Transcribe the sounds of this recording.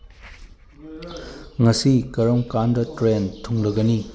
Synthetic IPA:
ŋɐsikɐɾɐmkandɐtɾentʰuŋlɐɡɐni

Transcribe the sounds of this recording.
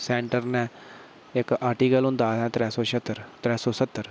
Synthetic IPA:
sɛːɳʈəɾnɛ̃ː | ɪkaːɾʈiːkəlʊ̃nd̪aːɛ̃ːt̪ɾɛːsɔːʃət̪ːəɾt̪ɾɛːsɔːsət̪ːəɾ

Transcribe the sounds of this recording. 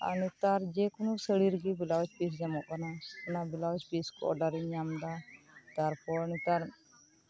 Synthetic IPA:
a̰nit̪aɾd͡ʒɛkunusəɽiɾɡibilawt͡ʃpis̬d͡ʒamɔʔkanaɛnabilawt͡ʃpiskɔ̰ɔɖaɾiɲɲamd̪a | t̪aɾpɔɾnit̪aɾ

